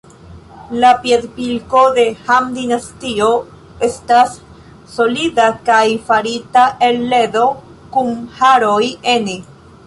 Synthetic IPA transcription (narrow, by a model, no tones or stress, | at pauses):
lapied̪pilko̞de̞hamd̪inastio | e̞stasː | o̞lidakajfaɾitaʔelːe̞do̞ | kumhaɾo̞je̞ne